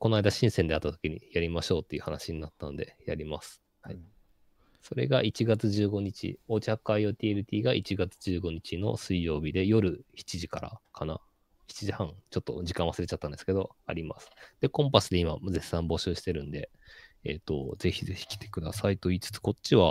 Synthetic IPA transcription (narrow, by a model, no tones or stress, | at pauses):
ko̞naid̪aɕĩɰ̃send̪eat̪ːat̪o̞kʲiɲ̟ḭjaɾʲimaɕo̞ːt̪ːe̞iɯ̟hanaɕiɲ̟inat̪ːano̞d̪e̞jaɾʲimasɨ̥ | ha | so̞ɾe̞̰ɡaʔit͡ɕiɡat͡sɨʑɨːɡo̞ɲ̟it͡ɕḭo̞ːt͡ɕakːaijɯ̟ːt̪ʲiːeɾɯt̪ʲiːɡaʔit͡ɕiɡat͡sɨ̥ʑɨːɡo̞ɲ̟it͡ɕino̞̰sɨijo̞ːbʲid̪e̞jo̞ɾɯ̟çi̥t͡ɕiʑikaɾa̰kʰana | çi̥t͡ɕiʑihãŋt͡ɕo̞t̪ːo̞̰d͡ʑikãɰ̃βasɨɾe̞t͡ɕat̪ːãnd̪e̞sɨ̥ke̞d̪o̞a̰ɾʲima̰sɨ̥d̪̥e̞kõ̞mpasɨd̪e̞imazesːãmbo̞ɕɨːɕi̥t̪e̞ɾɯ̟̃nd̪e̞ | ḛt̪o̞̰ze̞çize̞çi̥kʲi̥t̪e̞̥kɯ̟d̪asait̪o̞iːt͡sɨ̥t͡sɨ̥ko̞t͡ɕɕiβa